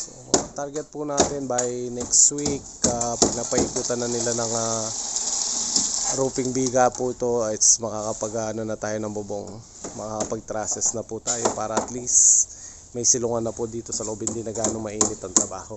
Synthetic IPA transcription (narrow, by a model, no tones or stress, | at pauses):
so̰ɐɐt̪aɾɡɛt̪̚pʊnaːt̪ɪnbɐjnɛkst̪wikapɐɡ̚naːpɐʔikuːt̪ɐnːɐnɪlanɐŋa | ɾuːpɪŋbiːɡɐpʊʔɪt̪o̞ɛt̪smɐkakɐpɐɡanɐnɐt̪aːjo̞nɐŋbʊboŋ | mɐkakɐpɐɡ̚t̪ɾaːsɛsnɐput̪aːjo̞paːɾɐʔɐt̪list̪ | mɐjsɪlʊŋanːɐpʊd̪iːt̪o̞sɐloʔob̚hɪnd̪inɐɡaːnomɐʔiːmɪt̪ɐŋt̪ɾɐbaːho̞